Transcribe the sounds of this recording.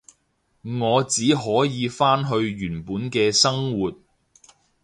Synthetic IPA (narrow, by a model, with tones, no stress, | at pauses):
ŋɔː˨˧t͡siː˨˥ɦɔː˨˥jiː˨˧faː˥nɦɵ˧ɥjyː˨˩npuː˨˥nkɛː˧sɐ˥ŋwuː˨t̚